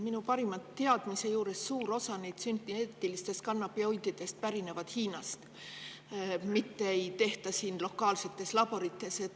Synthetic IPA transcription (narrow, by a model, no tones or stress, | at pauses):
minupɑɾimɑt̪ːeɑd̪̥mise̞juːɾe̞sːuːɾo̞sɑnejd̪̥synt̪ːieːt̪ːˑilist̪e̞st̪̚kɑnːɑpiojd̪̥id̪̥e̞st̪̚pæɾine̞vɑd̪̥hiːnɑst̪ | mit̪ːeejt̪e̞ht̪ɑsiːnlo̞kːˑɑːlse̞t̪ːˑe̞slɑbo̞ɾit̪ːˑe̞se